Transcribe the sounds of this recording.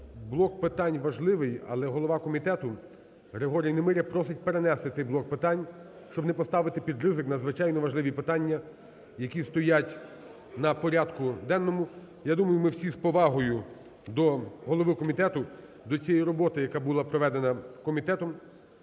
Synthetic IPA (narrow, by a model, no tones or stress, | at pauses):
blˠɔkpɪt̪ɑnʲʋɐʒlˠɪʋɪjɐ̰lˠɛɦɔlˠɔʋɑkɔmʲit̪ɛt̪ʊ | ɦɾeɦɔɾʲijinemɪɾʲɐpɾɔsɪt̚ʲpeɾenɛst̪ɪsɛjblˠɔk̚pɪt̪ɑnʲ | ʃt͡ʃɔbnɛpɔst̪ɑʋɪt̪ɪpʲid̪rɪzɪknɐzʋɪt͡ʃɑjnɔʋɐʒlˠɪʋʲipɪt̪ɑnʲːɐ | jɐkʲist̪ɔjatʲ | nɐpɔɾʲad̪kʊd̪ɛnːɔmʊ | jad̪umɐjʊmɪwsʲispɔʋɑɦɔjʊ | d̪ɔɦɔlˠɔʋɪkɔmʲit̪ɛt̪ʊ | d̪ɔt͡sʲijɛjiɾɔbɔt̪ɪjɐkabulˠɑpɾɔʋɛd̪enɐkɔmʲit̪ɛt̪ɔm